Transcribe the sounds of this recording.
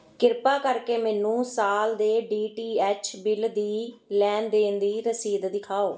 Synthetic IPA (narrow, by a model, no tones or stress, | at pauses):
kɪɾpaːkəɾkeːmɛːnũːsaːld̪eːɖiːʈiːɛːt͡ʃʰbɪld̪iːlɛːnd̪eːnd̪iːɾəsiːd̪d̪ɪkʰaːoː